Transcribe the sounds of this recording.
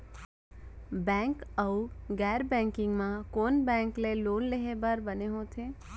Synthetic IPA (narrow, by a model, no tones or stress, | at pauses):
bɛ̃ŋkəuɡɛɾbɛ̃ŋkɪŋɡmãkonbɛ̃ŋklelonleɦebəɾbəneɦõt̪ʰe